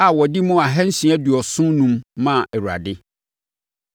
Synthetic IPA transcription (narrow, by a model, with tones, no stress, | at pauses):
a˨wɔ˨di˦mʊ̃˦a˨ɦɛ̃˦n̩˦sĩ˨˦æ˦du˨ɔ˨sʊ̃˦nũ˦mːã˦˨ɛ˨wa̰˨dɪ˦